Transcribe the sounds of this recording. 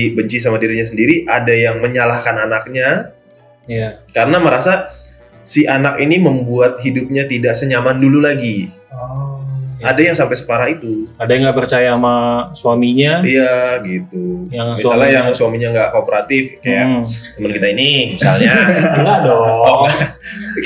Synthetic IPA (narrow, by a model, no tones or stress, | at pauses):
bəɲt͡ʃis̬amadiɾiɲas̬əndiɾiʔadajaŋməɲalahkananak̚ɲa | jakaɾənaməɾasa | siʔanakiniməmbuat̪̚ɦidʊp̚ɲat̪idaʔsəɲamandululaɡi | adajaŋsampajsə̥kaɾait̪uadajaŋɡaʔpərt͡ʃajaːmasuamiɲaijaɡit̪ujamialɲajaŋsuamiɲaŋɡaʔkopəɾat̪ɪfkajaʔt̪əmənkit̪ainimisalɲaladɔ